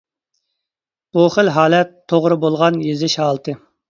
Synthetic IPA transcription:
b̥uχəlɦɑːlɛt̪ʰːoʁɾɨbolˠʁɑnjezɪʃhɑːlˠt̪ʰɨ

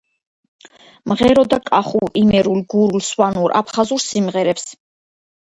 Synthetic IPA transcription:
mʁɛɾɔd̪akʼaχuimɛɾulɡuɾulswanuɾʔa̰pʰχazuɾsimʁɛɾɛps

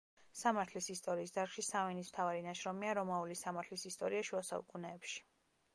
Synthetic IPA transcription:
samaɾt̪ʰlisist̪ʼɔɾiːsd̪aɾχʃisavɛnism̥t̪ʰavaɾinaʃɾɔmiaɾɔmaulisamaɾt̪ʰlisist̪ʼɔɾiaʃuasa̰ṵkʼunɛːpʃi̥

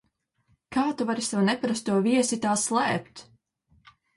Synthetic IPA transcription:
kaːt̪uvaɾisɛwnɛpaɾast̪ːuɔviɛsit̪aːslˠæːpt̪

